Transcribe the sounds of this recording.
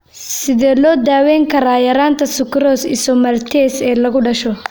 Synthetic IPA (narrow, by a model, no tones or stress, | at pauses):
sɪðɛːlɔːd̪aːwɛːŋkʰɐɾaːjɐɾaːnt̪ʰɐsʊkɾɔːsɪsɔmɐrt̪ʰɛːsɛːlɐɣʊɖɐʃɔ